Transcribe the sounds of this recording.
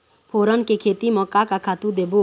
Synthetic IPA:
pʰoɾənkekʰet̪imɔkːakakʰat̪ud̪ebu

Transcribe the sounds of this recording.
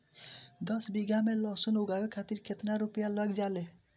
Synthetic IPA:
d̪ʌsbiɡamelɔsunuɡajekʰat̪iɾkʰet̪naɾupjalʌɡd͡ʒale

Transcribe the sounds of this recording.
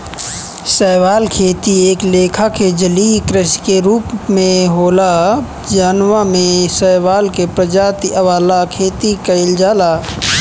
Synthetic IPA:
səːʋaːlkʰeːt̪ieːkleːkʰaked͡ʒəlikɾɪskeɾuːpmẽɦoːla | d͡ʒaːnwamẽsəːʋaːlkepɾəd͡ʒaːt̪iʔəʋaːlakʰeːt̪ikəɪld͡ʒaːlaː

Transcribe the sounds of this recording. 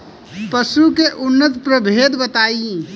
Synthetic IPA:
pəsukeʔʊnːət̪pɾəbʱed̪bət̪ai

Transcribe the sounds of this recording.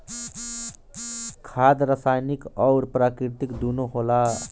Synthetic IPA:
kʰad̪ɾəsajnikɔʊɾpɾaːkɾit̪ikd̪unoɦola

